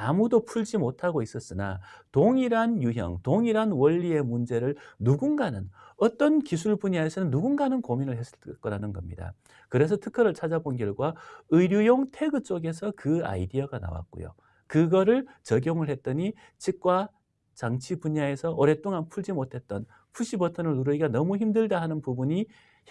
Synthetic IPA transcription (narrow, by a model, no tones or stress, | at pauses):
amudopʰuɭd͡ʑimotʰaɡois͈ʌs͈ɯna̰toŋiɾanjuɦjʌ̰ŋtoŋiɾanwʌʎːie̞mund͡ʑe̞ɾɯɭnuɡunɡanɯnʌt͈ʌnkis̬ʰuɭbuɲaesʰʌnɯnːuɡunɡanɯnkominɯɭɦes͈ɯ̥ɭk͈ʌɾanɯnɡʌmɲida̰ | kɯɾe̞sʰʌtʰɯkʰʌɾɯɭt͡ɕʰad͡ʑabonɡjʌɭɡwaɯɾjujoŋtʰe̞ɡɯt͡ɕ͈oɡe̞sʰʌkɯa̰idiaɡana̰wa̰t̚k͈o̰jo̰ | kɯɡʌɾɯɭt͡ɕʌɡjoŋɯɭɦe̞t̚t͈ʌɲi | t͡ɕʰik̚k͈wa | t͡ɕaŋt͡ɕʰibuɲae̞sʰʌʌɾe̞t͈oŋanpʰuɭd͡ʑimotʰe̞t̚t͈ʌn | pʰuɕ͈ʰibʌtʰʌnɯɭːuɾɯiɡanʌmuçimdɯɭdaɦanɯnpubuɲi